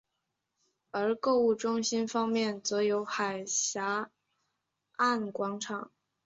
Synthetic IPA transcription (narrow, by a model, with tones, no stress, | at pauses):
ə˞˧˥ko˥˧ʊu˥˩ʈ͡ʂʊ˥ŋɕi˥nfɑ˥ŋmjɛ˥˩nt͡sɤ˧˥jo˧˥ʊxa˨˩ɪɕja˧˥ | a˥˩nkwɑ˧˥ŋʈ͡ʂʰɑ˨˩˦ŋ